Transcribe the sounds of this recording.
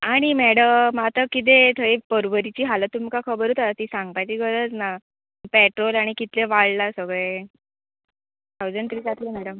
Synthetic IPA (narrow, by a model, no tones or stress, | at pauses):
aɽ̃imɛɽəmat̪akit̪̬et̪ʰəipəɾʋəɾit͡ɕiːɦalət̪ːumkakʰəbəɾut̪at̪iːsaŋɡ̚pajt͡ɕiːɡəɾət͡sna | pɛʈɾolaɽ̃ikit̪leʋaɭlasəɡɭe | t̪ʰawd͡zəɳɖt̪ʰɾiːsat̪ʰlemɛɽəm